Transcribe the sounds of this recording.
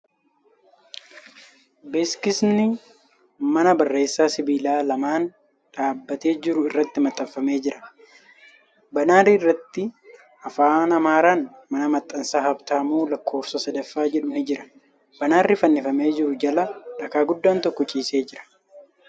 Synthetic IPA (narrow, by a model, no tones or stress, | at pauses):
bɛskɪsnɪ | mɐnɐbɐrːe̞ːsːaːsɪbiːlaːlɐmaːn | ᶑaːbːɐt̪e̞ːd͡ʒɪɾʊɪrːɐt̪ːɪmɐt̪ʼːɐfːɐme̞ːd͡ʒɪɾʔɐ̥ | bɐnaːriɪrːɐt̪ːɪ | ɐfaːnɐmaːɾaːn | mɐnɐmɐt̪ʼːɐnsaːhɐbt̪aːmuːlɐkʰːo̞ːfsɐsɐd̪ɐfːaːd͡ʒɛᶑʊnɪd͡ʒɪɾɐ̥ | bɐnaːrːɪfɐnːɪfɐme̞ːd͡ʒɪɾʊd͡ʒɐlɐᶑɐkaːɡʊd̪ːaːnt̪ɔkːɔt͡ʃʼiːse̞ːd͡ʒɪɾɐ̥